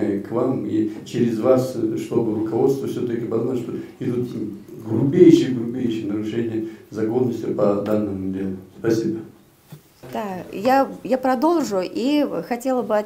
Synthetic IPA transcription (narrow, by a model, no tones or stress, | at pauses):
kvamit͡ɕɪɾʲɪzvasʂt̪o̞bɨɾʊkɐvo̞t̪st̪vəfsʲot̪əkʲɪpɐznalʲʂt̪oɪd̪ut̪ | ɡlʊbʲejɕɪjəɡlˠʊbʲejɕɪjənəɾʊʂɛnʲɪjəzɐkonːəsʲt̪ʲpɐd̪anːɨmʊdʲelˠʊspɐsʲibə | d̪ajajapɾɐd̪olˠʐʊʔixɐtʲe̞lˠəbɨɐ